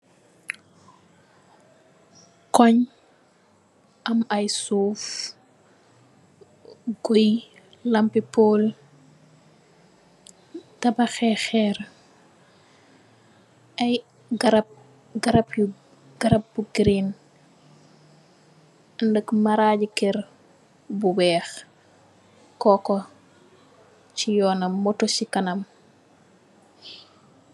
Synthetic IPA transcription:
kɔɲ | ʔɐmɐjsuːf | ɡoj | lɐmpipoːl | tɐbɐxɛxɛɾ | ʔɐj | ɡɾ̚ | ɡɐɾɐp | ɡ̥ɐɾɐp̚buɡɾin | ɐndəkmɐɾaɟikɛɾ | buwɛːx | kɔkɔ | t͡ʃijɔːnɐmːɔtɔsikɐnɐm

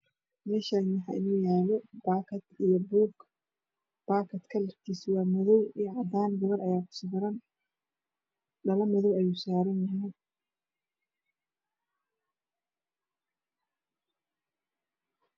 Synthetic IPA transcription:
mɛːʃanɐħɑ̰ʔɪ̰nuːjaːlɔbaːkʰɐd̪ijɞbuːɡ | b̥aːkʰɐt̪kʰɐlɐrt̪ʰiswɑːmɔðɔwiʕɑd̪aːnɡɐβɐrʔɐjaːkʰʊ̥sʊɡɾɐn | ɖɐlɐmɔðɔwɛjusaːɾɐnjɐɦɛn

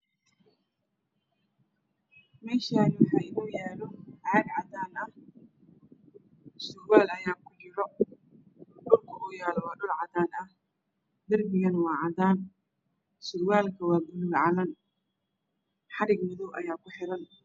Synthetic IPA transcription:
mɛːʃaːnɪwɑħaɪnɔːjaːlɔʕad̪ʕɑd̪aːnɐh | sʊɾwaːlɐjaːkʰʊt͡ʃɪɾɔ | ɖʊlkʰɐʔɔːjaːlwɑːɖʊlʕɑd̪aːnɐh | d̪ɐrbɪɣɐnwɑːʕɑðaːn | sʊɾwaːlkʰɐwɑːbʊlʊɡʕɑlɐn | ħɑɾɪɡmɪðɔwʔɐ̰jaːkʰʊħɪɾɐn

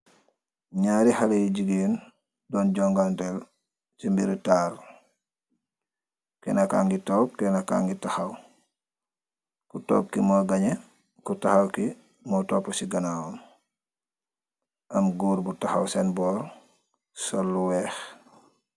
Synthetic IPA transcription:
ɲaːɾihalejiɟiɡeːn | dɔnɟɔŋɡantɛl | simbiɾitaːɾ | kɛnaka̰ːŋɡitoːp̚kɛnaka̰ːŋɡitaxaw | kuto̰ːp̚kimɔɡaɲe | kutaxawki | mɔtoːpːɔsiɡanawom | ɐmɡuːɾbutaxawsenbɔːɾ | solːuwɛːx

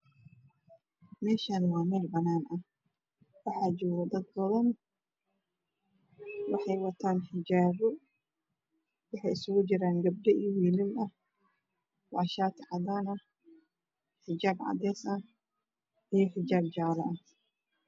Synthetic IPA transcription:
mɛːʃaːnwɑːmɛːlbɐnaːnʔɐh | wɑħɑːd͡ʒɔːɣɐd̪ɐd̪̚bɐðɐn | wɑħɑjwɐt̪ʰaːnħɪd͡ʒaːβɔ | wɑħɑjɪsʊɣʊt͡ʃɪɾaːŋɡɐb̚ɖɛʔiwiːlɪmɐ | wɑʕʃaːt̪ʰʕɑðaːnɐ | ħɪd͡ʒaːbʕɑ̰d̪ɛːsɐ | ijɔħɪd͡ʒaːb̚d͡ʒaːlɐʔɐh

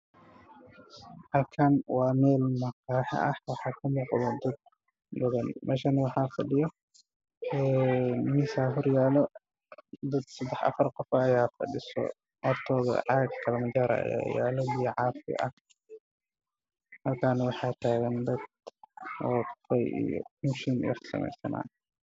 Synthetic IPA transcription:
hɐlkʰanwɑːmɛːlmɐqɑːħɪ̰ʔɐhwɑħɑːkʰɐmuːqðɐd̪ɐd̪̚ | bɐðɐnmʔɛːʃanwɑħɑːfɐɖɪjɔ | ɛnmɪsaːɦɔrjaːlɔ | d̪ɐd̪sɐd̪ɛħɐ̰fɐrqɔfɐjaːfɐ̰ɖɪsɔ̰ | ʔɔrt̪ʰɔːðɐ̰ʕɑːɡkʰɐlmɐd͡ʒaːɾɐ̰ɐ̰ja̰ːja̰ːlɐbijʕɑːfɪ̰ʔɐh | mɐrkʰaːnwɑħɑːt̪ʰaːɣɐnd̪ɐd̪ | ɔːfɛjḭjɔ̰kuʃɪmjɛ̰̥sɐ̰mɛ̰jsɐ̰na̰ː

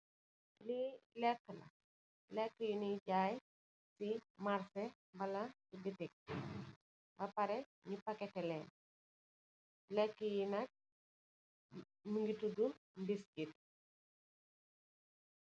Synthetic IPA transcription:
lilɛkːlɐ̰ | lɛkːəjiniɟaːj | simaɾsɛ | bɐlɐ | ibitik̚ | bɐpɐɾɛɲipakɛtɛlɛn | lɛkːəjinak̚ | muŋɡitudumbiskit

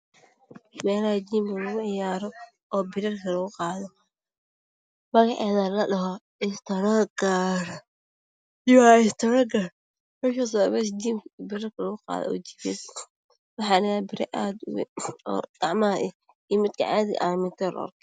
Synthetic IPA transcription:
mɛːlɐhɐd͡ʒiːmkɐlɐɣʊʕɪjaːɾɔ | ɔːbɪɾɐrkʰɐlɐɣʊqɑːðɔ | mɐɣɑʕɑːðalɐɗɐɦɔ | ɪst̪ʰɐɾɔɡaɾ | jaɪst̪ʰɐɾɔɡaɾ | mɛkɐs̬ɔβɛs̬d͡ʒiːmbɪɾɪrkʰɐlɐɣʊqɑ̰ːðɔ̰ɔ̰ːd͡ʒibɛs | wɑħɑːnɪabɪɾɛ̰ʔaːd̪ʊwɛ̰ɔ̰ːd̪̥ɑʕmɐɐʔɛ | iːmɪd̪kʰɐ̰ʕa̰ːðɪɣ̰ʔaːmɪnt̪ʰɔl̰ɔ̰rkʰɛ

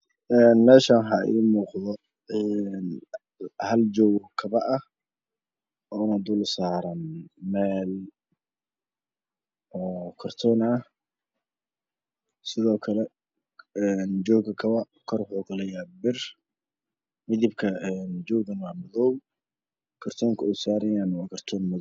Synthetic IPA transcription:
ʔɛːnmɛːʃaːɦɐʔḭːmuːqðɔ | ɛːn | hɐld͡ʒɔːwkʰɐβɐʔɐh | ɔːɪnaːd̪ʊlsaːɾɐnmɛːl | ɔːkʰɔrt̪ʰɔna | sɪðɔːkʰɐlɛ | ɛnd͡ʒɔːɡɐkʰɐβɐ | kʰɔrwʊħuːkɐlɛjaːbɪr | mɪðɪbkʰɐɛnd͡ʒɔːɣɐnwaːmɔðɔw | kʰɐrt̪ʰɔːŋkʰɐɛjsaːɾɐjaːnwɑːkʰɐrt̪ʰɔːnmɔð

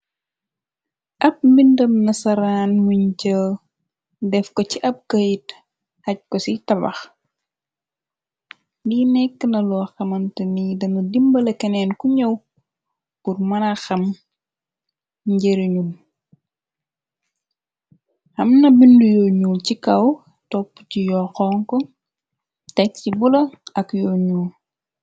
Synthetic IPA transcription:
ʔɐp̚bindɐmnɐsɐɾaːnwiɲcə | dɛfkɔciʔɐp̚kɐjit | hɐc̚kɔsitɐbɐ̰x | diːnɛkːənɐlɔːxɐmɐntənidɐnɐdimbɐlɛkɐnɛːnkuɲɐw | kurmɐnɐxɐm | ɲɟeɾiɲul | hɐmnɐbindujɔɲuːlcikɐw | tɔpːcijɔːxɔːŋkɔ | tɐk̚cibulɐɐkjɔːɲuːl

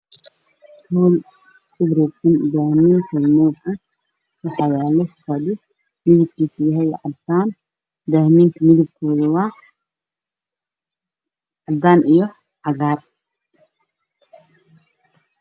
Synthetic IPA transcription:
t̪ʰuːl | kʊbɾɛːɡsɐnd̪aːhmiːŋkʰɐmɔːɡɐ | wɑħɑjaːlɔfɐdɪ | mɪðɪb̚kʰiːsjɐɦɛjʕɑd̪aːn | d̪ahmiːŋk̪ʰɐmɪðɪb̚kʰɔːðɐwaː | ʕɑd̪aːnijɔ | ʕɑɣaːr

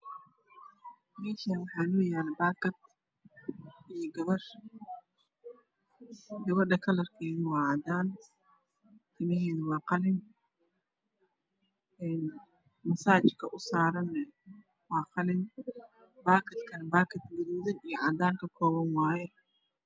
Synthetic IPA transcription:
mɛːʃanwɑħɑːnʊːjaːlbaːkɐd̪̚ | ijɔɡɐβɐr | ɡɐβɐɖɐkʰɐlɐrkʰɛːðɐwɑːʕɑd̪aːn | t̪ʰɪmɐɦɛːðɐwɑːqɑlɪn | ɛːn | mɐsaːt͡ʃkʰɐʔʊsaːɾɐnɛ | wɑːqɑlɪn | baːkʰɐd̪kʰɐnbaːkʰɐt̪ɡɐɾiːðɐijɔʕɑd̪aːŋkʰɐkʰɔːβɐnwɑːjɛ

